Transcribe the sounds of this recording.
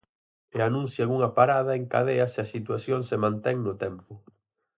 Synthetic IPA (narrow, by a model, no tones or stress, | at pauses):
eanũn̟θjauŋɐpaɾað̞ɐeŋka̰ðeɐseasit̪waθjoŋsemãnt̪ɛŋnʊt̪ɛmpʊ